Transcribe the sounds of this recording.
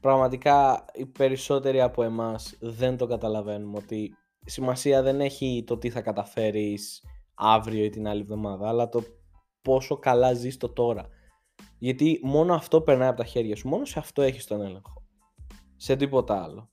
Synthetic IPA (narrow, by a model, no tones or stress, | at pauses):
pɾɐɣmɐt̪ikɐipe̞ɾiso̞t̪e̞ɾiɐpoe̞mɐsðe̞nt̪o̞ɡɐt̪ɐlɐve̞numo̞t̪i | simɐsiɐðe̞ne̞çit̪o̞t̪iθɐkɐt̪ɐfe̞ɾisɐvɾio̞it̪inɐlivðo̞mɐðɐːlɐt̪o̞ | po̞so̞kɐlɐzist̪o̞t̪o̞ɾɐ | ʝɐt̪imo̞noɐft̪o̞pe̞ɾnɐjɐpot̪ɐçe̞ɾʝɐsumo̞no̞seɐft̪o̞e̞çist̪o̞ne̞le̞ŋxo̞ | se̞t̪ipo̞t̪ɐɐ̰lo̞